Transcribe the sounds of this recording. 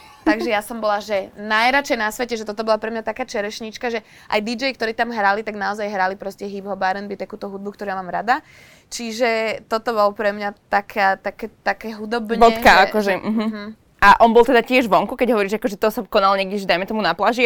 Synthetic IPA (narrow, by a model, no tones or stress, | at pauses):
t̪aɡʒɛjasɔmbɔlaʒɛnajɾat͡ʃɛjnasʋɛcɛʒɛt̪ɔt̪ɔbɔlapɾɛmɲat̪akaːt͡ʃɛɾɛʃɲit͡ʃkaʒɛ | ʔajd̪id͡ʒɛjkt̪ɔɾiːt̪amɦɾalit̪aɡnaɔzajɦɾalipɾɔscɛɦibɦɔbaːɾɛnbit̪akuːt̪ɔɦud̪̚bukt̪ɔɾujamaːmɾad̪a | t͡ʃiʒɛt̪ɔt̪ɔβɔlpɾɛmɲat̪akʰaːt̪akɛt̪akɛɦud̪ɔbɲbɔtɛkaakɔʒɛm̩ɦ̩ | aʔɔnbɔlˠt̪ɛd̪acɪɛʒʋɔŋkukɛɟɦɔʋɔɾiːʒakɔʒɛt̪ɔsakɔnalɲɛɡdɛʒɛd̪ajmɛt̪ɔmunaplaʒi